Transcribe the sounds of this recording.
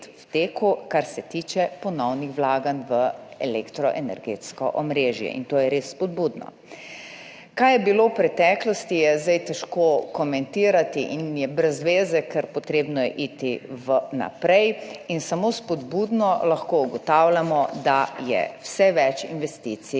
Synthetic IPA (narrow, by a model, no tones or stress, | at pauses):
wt̪eːkukaɾsɛt̪iːt͡ʃɛpɔnɔwnixʋlaːɡanʋəɛlekt̪ɾɔʔɛnɛɾɡeːt̪skɔ̰ʔɔmɾeːʒjɛ̰ʔḭnt̪oːjɛɾesːpɔd̪̚buːd̪nɔ̰ | kajɛbilowpɾɛt̪ɛklɔst̪ijɛzd̪ajt̪ɛʃkokɔmɛnt̪iːɾat̪iʔinjɛbɾɛzʋeːzɛkɛɾpɔt̪ɾeːbnɔjɛʔit̪iʋəna̰pɾɛjinsamoːspɔd̪buːd̪nɔlaxkouɡɔt̪awlʲamɔd̪ajɛ̰wsɛʋɛt͡ʃḭnʋɛst̪it̪si